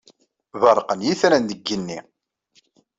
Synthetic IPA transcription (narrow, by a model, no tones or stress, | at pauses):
vəɾˤqənjiθɾænd̪əɡːənːi